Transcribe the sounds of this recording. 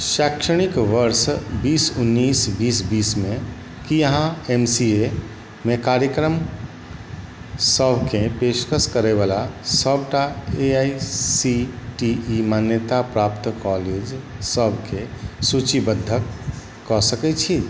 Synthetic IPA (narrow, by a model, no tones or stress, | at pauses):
ʃakʃəɽ̃ikʋəɾsbisunːisbisbismẽ | kijəɦãemsie | mekaɾjəkɾəm | səbʱkẽpeskəskəɾeβalasəbʱʈaeaisiʈiːmanjət̪apɾapt̪kɔled͡ʒsəbʱkesut͡ʃibəd̪ʱːəkː | ɔsəkɛt͡ʃʰi